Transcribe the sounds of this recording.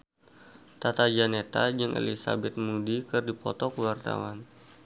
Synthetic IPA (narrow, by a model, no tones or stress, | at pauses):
t̪at̪ad͡ʒanet̪ad͡ʒɨŋʔḛlisa̰bɛt̪̚mudikɨrdipɔ̰t̪ɔkəwart̪a̰wan